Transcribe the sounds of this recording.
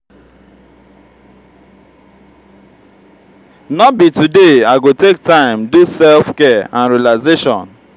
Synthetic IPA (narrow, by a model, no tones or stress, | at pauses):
nɔt̚bitudeaɪɡotek̚tãɪ̃mdusɛlfkɛãnɹialaɪzeʃɔ̰̃n